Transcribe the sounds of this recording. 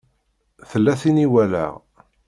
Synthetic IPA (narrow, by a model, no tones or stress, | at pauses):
θəlːæθiniwælæ̰